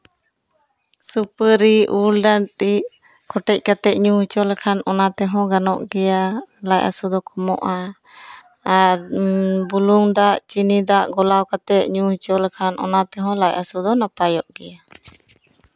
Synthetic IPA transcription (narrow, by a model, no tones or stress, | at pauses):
supəɾiulɖanɾiʔ | kʰɔʈɛc̚ˀkat̪ɛʔ̪̚ɲuhit͡ʃɔlɛkʰanɔnat̪ɛɦɔ̃ɡanɔʔɡɛjalajʔa̰sud̪ɔkʰɔmɔ̰ʔa | ɾbuluŋd̪aʔt͡ʃinid̪aʔɡɔlawkat̪ɛʔ̚ɲũhit͡ʃɔlkʰanʔɔ̰nat̪ɛɦɔ̃lajʔasud̪ɔnapajɔʔɡɛja